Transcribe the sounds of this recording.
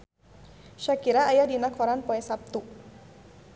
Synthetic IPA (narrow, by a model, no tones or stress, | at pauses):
ʃakiɾaːjadinakʰɔɾanpɔɛsap̚t̪u